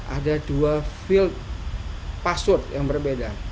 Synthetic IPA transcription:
ʔa̰daduafɪlt̪̚ | pasʊt̪jaŋbərbeda

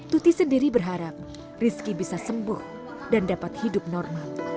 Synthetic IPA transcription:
t̪ut̪isəndiɾibərɦaɾap̚ | riskibisasəmbʊh | dandapat̪̚hidʊp̚nɔrmal

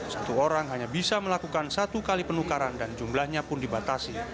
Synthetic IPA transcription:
sat̪uoɾaŋɦaɲabisaməlakukansat̪ukalipənukaɾandand͡ʒumlahɲapʊndibat̪asi

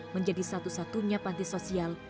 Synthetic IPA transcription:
məɲd͡ʒadisat̪usat̪uɲapant̪isosial

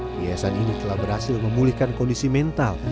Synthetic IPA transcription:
biasaninit̪əlahbərasɪlməmulihkankɔndisimɛnt̪al

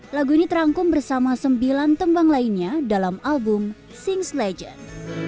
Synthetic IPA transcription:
laɡuinit̪əɾaŋkʊmbərsamasəmbilant̪əmbaŋlainɲadalamalbʊm | sɪŋslɛd͡ʒə̰n

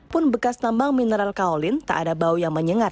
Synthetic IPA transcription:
pʊnbəkast̪ambaŋminəɾalkaolɪnt̪a̰ʔa̰dabaujaŋməɲəŋar

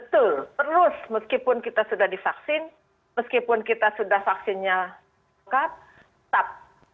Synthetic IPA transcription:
bət̪ʊlt̪əɾʊsməskipʊnkit̪asudahdifaksɪn | məskipʊnkit̪asudahfaksɪnɲa | kap̚ | t̪ap̚

